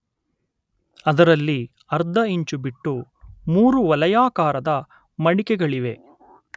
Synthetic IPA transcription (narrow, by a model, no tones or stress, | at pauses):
ɐd̪ɐɾɐlːi | ɐɾd̪ʱɐiɲt͡ʃubiʈːu | muːɾuʋɐlɐjaːkaːɾɐd̪ɐ | mɐɽikɛɡɐɭiʋe̞